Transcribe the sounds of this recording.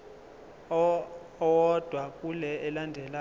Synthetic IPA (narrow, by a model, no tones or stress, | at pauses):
ɔwɔd̥ʱwakʼulɛɛlandʱɛla